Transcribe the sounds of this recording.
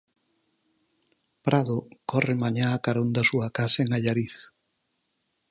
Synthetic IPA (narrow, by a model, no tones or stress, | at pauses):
pɾaðokɔremaɲaakaɾond̪ɐsuakasaeŋaʎaɾiθ